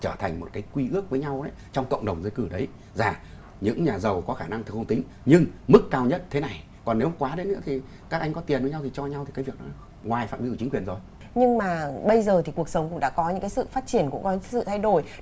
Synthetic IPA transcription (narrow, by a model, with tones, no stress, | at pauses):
t͡ɕəː˧˩t̪ʰa˨˩ŋ̟mo˨˩t̚kaː˨˦jkwi˧ʔɨ˦˥ək̚vəː˨˦jɲa˧wʔə˨˦t͡ɕɔ˧wŋ͡mkə̰˧˨wŋ͡mɗə˨˩wŋ͡mzə˧jkɨ˧˩ɗə˨˦j | zaː˨˩ | ɲɨ̰˧˥ŋɲaː˨˩zə˨˩wkɔ˨˦xaː˧˩na˧ŋʰɨ˨˩khə˧ŋ͡mt̪ï˨˦ŋ̟ | ɲɨ˧ŋmɨ˦˥kːaː˧wɲə˦˥t̚t̪ʰe˨˦na˨˩j | kɔ˨˩nːe˨˦wŋ͡mkwaː˨˦ɗe˨˦nːɨ̰˧˥t̪ʰi˨˩ | kaː˦˥k̚ʔa˧jŋ̟kɔ˨˦t̪i˨˩ənvjɲa˧wt̪ʰi˨˩t͡ɕɔ˧ɲa˧wt̪i˨˩aː˨˦jvi˨˩ək̚nɔ˨˦ | ŋwaː˨˩jfa̰ː˧˨mɓi˨˦kːï̟˨˦kwi˨˩ənzo˨˩j | ɲɨ˧ŋmaː˨˩ɓə˧jzəː˨˩t̪ʰi˨˩ku˨˩ək̚sə˨˦wŋ͡mkʊ̰˧˥ŋ͡mɗa̰ː˧˥kɔ˨˦ɲɨ̰˧˥ŋkaː˨˦jsɨ̰˧˨faː˦˥t̚t͡ɕi˧˩ənkṵ˧˥ŋ͡mkɔ˨˦sɨ̰˧˨t̪ʰa˧jɗo˨˧˩j